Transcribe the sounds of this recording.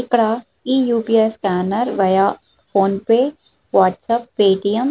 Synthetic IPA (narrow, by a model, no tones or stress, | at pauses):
ɪkɽa | iːjuːpiːeskæːnəɾʋɐja | pʰoːnpe | ʋaːʈsəpːeːʈijəm